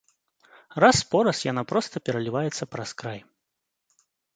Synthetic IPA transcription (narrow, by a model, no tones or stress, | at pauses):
raspɔɾɐsjanapɾɔst̪ɐpʲɛɾɐlʲivajɛt̪sːɐpɾɐskɾaj